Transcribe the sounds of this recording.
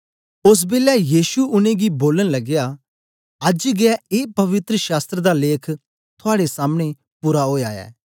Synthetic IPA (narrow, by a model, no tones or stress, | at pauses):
ʊs̬bɪːlɛjiːʃuʊnẽɡiboːləñlɐɡɪja | ɐd͡ʒɡɪɛeːpɐʋɪt̪ɾəʃaːst̪ɾəd̪aleːkʰ | t̪ʰʊaːɽesaːmɽ̃e | puːɾaɦoːjaːɛ̰ː